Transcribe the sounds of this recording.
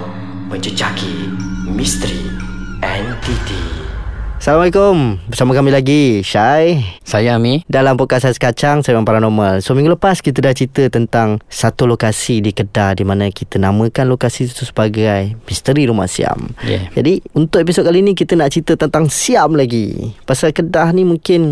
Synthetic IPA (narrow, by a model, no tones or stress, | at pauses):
mə̃ɲd͡ʒəd͡ʒakimist̪əɾi | ɛnt̪it̪i | salamalekombərsamãkamĩlaɡiʃajsajamidalampukasasə̥kat͡ʃaŋsajmãpaɾanɔmalsoəmiŋɡuləpaskit̪̬ədat͡ʃit̪ət̪ənt̪aŋsat̪ulokasidikədahdimanakit̪ənamə̃kanlokasitu̥t̪usə̥baɡajmist̪əɾiɾuma̰hsḭa̰mjɛ̰d͡ʒadiunt̪ʊʔep̬isokalinĩk̬it̪ənaʔt͡ʃit̪ət̪ənt̪aŋsiamlaɡḭpasalkədahnimuŋkɪn